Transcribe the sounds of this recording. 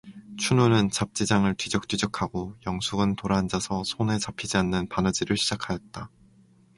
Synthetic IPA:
t͡ɕʰunonɯnt͡ɕap̚t͡ɕ͈id͡ʑaŋɯɭtɥid͡ʑʌk̚t͈ɥid͡ʑʌkʰaɡojʌŋsʰuɡɯntoɾand͡ʑasʰʌsʰone̞t͡ɕapʰid͡ʑianːɯnpanʌd͡ʑiɾɯɭɕʰid͡ʑakʰajʌt̚t͈a

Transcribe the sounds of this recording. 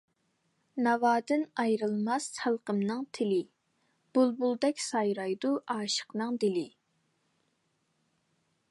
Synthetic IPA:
nɑvɑːd̪ɨnɑjɾɨlˠmɑsɑlˠqəmnɨŋt̪ʰɪlɪ | b̥ulˠbulˠd̪ɛkʲsɑjɾɑjd̪uʔɑːʃə̥qnɨŋd̪ɪlɪ

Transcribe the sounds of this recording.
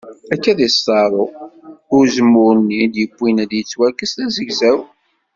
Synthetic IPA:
ækːæðist̪ɑɾˤo | ʊɾzəmːʊɾnːid̪jəbʷːinæd̪jət͡sːwæɾkəst̪æzəɡzæw

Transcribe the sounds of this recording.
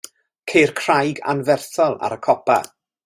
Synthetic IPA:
kʰejrkʰr̥ajɡa̰nvɛrθɔlˠa̰ɾəkʰɔpa̰

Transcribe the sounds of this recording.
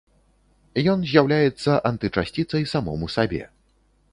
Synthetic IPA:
jɔnzʲjawlʲajɛt̪sːɐʔant̪ɨt͡ʂasʲt͡sʲit̪sɐjsamɔmusabʲɛ̰

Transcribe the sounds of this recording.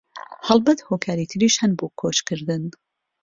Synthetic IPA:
hɐlˠbɐt̪hoːkʰaːɾit̪ʰɨɾiːʃhanboːkʰoːt͡ʃkʰɨɾd̪ɨn

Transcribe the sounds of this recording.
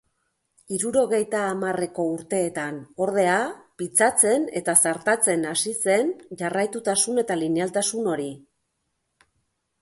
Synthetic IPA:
iɾuɾo̞ɣ̞e̞jt̪aːmare̞ko̞uɾt̪e̞ːt̪ano̞ɾð̞e̞apit͡sat͡se̞ne̞t̪asaɾt̪at͡se̞nasise̞nʝarajt̪ut̪asune̞t̪alinialt̪asuno̞ɾi

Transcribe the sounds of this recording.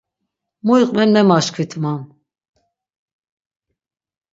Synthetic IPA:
mɔiqʼmɛmnɛmaʃkʰvit̪ʰman

